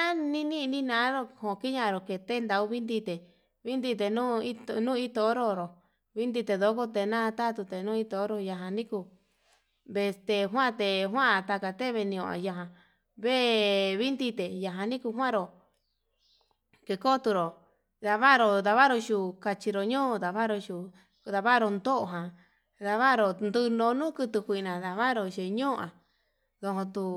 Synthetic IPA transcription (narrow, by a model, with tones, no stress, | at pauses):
ã˦nĩ˦nĩ˦˧nĩ˦nã˧˦ɾo˧hõ˨˧ki˦ɲã˦˧ɾo˨ke˧˨t̪e˦nd̪a˧u˧˦βi˦nd̪i˧t̪e˨ | βi˦nd̪i˧t̪̬e˧˨nũ˦i˦t̪o˧nũː˦˧i˦t̪o˧˦ɾo˧ɾo˨ | βi˦nd̪i˧t̪e˧ðo˧˦ko˦t̪e˧nã˦˧t̪a˦t̪u˧t̪e˨nũː˦i˦t̪o˧˦ɾo˧ja˧ɦã˧nĩ˦ku˧ | be˧st̪e˧ɦwã˦˨˧t̪e˧˨ɦwã˦˧t̪a˧ka˧t̪e˦˧βe˧nĩ˧õ˧˨a̰˧ja˧ɦã˧ | βe˦βi˦nd̪i˦t̪e˨ja˧ɦã˧nĩ˦ku˧ɦwã˦ɾo˨ | ke˧ko˦t̪u˧ɾo˨ | ða˧βa˦˧ɾo˧ða˧βa˦ɾo˧ʃu˧˨ka˧t͡ʃi˧ɾo˨ɲõ˦˧ða˧βa˦ɾo˧ʃu˨ | ða˧βa˦ɾo˧nd̪o˦ʔɦã˨ | ða˧βa˦˧ɾo˧˨nd̪ɨ˧nõ˧nũː˦kɨ˧t̪ɨ˧kʷi˧˨˧nã˨ða˨βa˦ɾo˧ʃe˧˨˧ɲõ˦˧ã˨ | ðo˧ɦõ˧t̪u˧